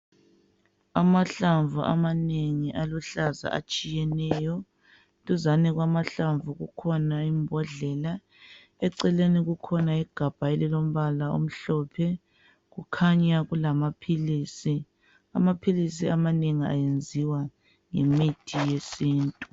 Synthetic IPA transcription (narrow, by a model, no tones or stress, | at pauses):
amaɬaɱvuʔa̰maneŋiʔaluɬaza̰a̰t͡ʃʼijɛnɛːjɔ | tʼuzanɛɣwamaɬaɱvuɣukʰɔnaimbʱɔɮɛla | ɛǀɛleniɣukʰɔnaiɡ̥ʱab̥ʱaɛlɛlom̩βalao̰m̩ɬɔːpʰɛ | ɣukʰaɲaɣulamapʰiliːsi | a̰mapʰilisiamaneŋia̰jend͡zʱiwa | ŋemitʰijesiːntʼu